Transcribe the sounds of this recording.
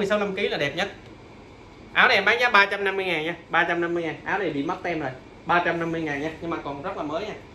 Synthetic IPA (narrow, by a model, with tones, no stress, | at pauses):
əjsa˧˦wna˧mki˨˦laː˨˩ɗɛ˨˩p̚ɲə˦˥t̚ | ʔa̰ː˨˦wnɗe˨˩mɓaː˨˦ŋɲaː˦˥ɓaː˧t͡ɕa˧mna˧mːɨ˧əjŋaː˨˩nɲaː˧ɓaː˧t͡ɕa˧mna˧mːɨ˧əŋaː˨˩nʔaː˨˦wɗe˨˩ɓḭ˧˨mə˦˥t̚t̪ʰɛ˧mzo˨˩j | ɓaː˧t͡ɕa˧mna˧mːɨ˧əjŋaː˨˩ɲaː˧ɲɨ˧ŋmaː˨˩kɔ˨˩nzə˦˥laː˨˩məː˨˦jɲaː˧